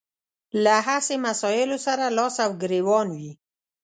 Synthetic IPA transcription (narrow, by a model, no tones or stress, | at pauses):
laɦasemasɑjɪlosaɾalɑsawɡɾewɑnwi